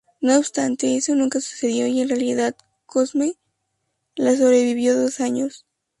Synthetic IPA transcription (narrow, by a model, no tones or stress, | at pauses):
noːβst̪ant̪e̞eso̞nũŋkasu̥se̞ðjo̞ie̞nrealiðað | kozmej | las̬o̞βɾe̞βiβjo̞ðo̞saɲo̞s